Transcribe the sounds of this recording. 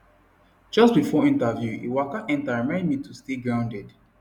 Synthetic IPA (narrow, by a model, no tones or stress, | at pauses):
d͡ʒʌst̚bifɔĩntavjuʔḛwakaʔɛ̃ntaɹmãɪ̃ndmitʰusteɡɹãʊ̃ndɛd